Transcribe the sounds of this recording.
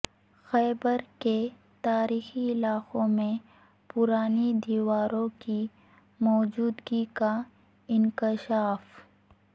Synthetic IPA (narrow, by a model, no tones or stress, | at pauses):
xɛːbəɾke | t̪aːɾiːxiɪlaːqõmẽ | pʊɾaːnid̪iːwaːɾõki | mɔːd͡ʒuːd̪ɡika | ɪnkɪʃaːf